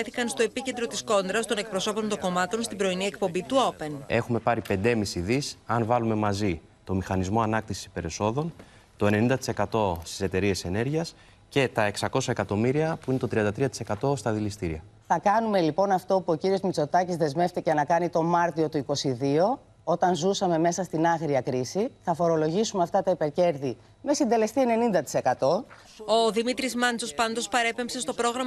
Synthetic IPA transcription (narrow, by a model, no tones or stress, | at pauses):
eθikɐnst̪o̞epice̞nd̪ɾo̞t̪isko̞nd̪ɾɐst̪o̞ne̞k̚pɾo̞so̞po̞nt̪oko̞mɐt̪o̞nst̪ibɾo̞iniek̚po̞mbit̪uopene̞xume̞pɐɾipe̞nd̪e̞misiðisɐnvɐlume̞mɐzi | t̪o̞mixɐnizmo̞ɐnɐk̚t̪isi̥si̥pe̞ɾeso̞ðo̞n | t̪o̞ene̞nind̪ɐt̪i̥se̞kɐt̪o̞st̪i̥se̞t̪e̞ɾie̞se̞ne̞ɾʝiɐs | ce̞t̪ɐe̞ksɐko̞sɐe̞kɐt̪o̞miɾiɐpuine̞t̪o̞t̪ɾiɐnd̪ɐt̪ɾiɐt̪i̥se̞kɐt̪o̞st̪ɐðilist̪iɾiɐθɐkɐnume̞lipo̞nɐft̪o̞puo̞ciɾio̞zmit͡so̞t̪ɐcizðe̞zme̞ft̪iceɐnɐkɐnit̪o̞mɐɾt̪io̞t̪uiko̞siðio̞ | o̞t̪ɐnzusɐme̞me̞sɐst̪inɐɣɾiɐkɾisiθɐfo̞ɾo̞lo̞ʝisumeɐft̪ɐt̪ɐipe̞ɾce̞ɾði | me̞sind̪e̞le̞st̪ie̞ne̞nind̪ɐt̪i̥sekɐt̪o̞ | oðimit̪ɾizmɐnt͡so̞spɐnd̪o̞spɐɾe̞pe̞mpse̞st̪o̞pɾo̞ɣɾɐm